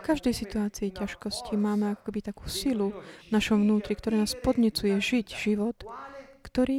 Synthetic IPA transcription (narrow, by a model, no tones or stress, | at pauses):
kaʒd̪ɛjsit̪uaːt͡siːcaʃkɔscimaːmɛakɔ̥kɛbit̪aku̥ːsiluvnaʃɔmvnuːt̪ɾikt̪ɔɾaːnaːspɔd̪ɲɛt͡sujɛʒicʒ̥iʋɔt̪kt̪ɔɾiː